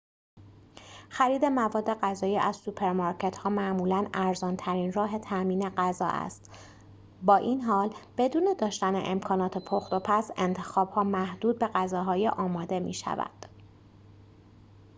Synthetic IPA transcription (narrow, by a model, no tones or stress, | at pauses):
xæɾiːd̪e̞mævɒːd̪ːe̞ɢæzɒːjiːʔæzsupʰeɾmɒɾcʰe̞t̪hɒːmæʔmuːlænæɾzɒːnt̪ʰæɾiːnrɒːɦe̞t̪ʰæmiːne̞ɢæzɒ̰ːʔæ̰st̪ | bɒːʔiːnɦɒːlb̥e̞d̪uːne̞d̪ɒːʃt̪ænḛʔemkʰɒːnɒːt̪ʰepʰoxt̪o̞pʰæse̞nt̪ʰe̞xɒːb̥hɒːmæhd̪uːd̪̚be̞ɣæzɒːɦɒːjeʔɒːmɒːd̪e̞mḭːʃæ̰væ̰d̪̥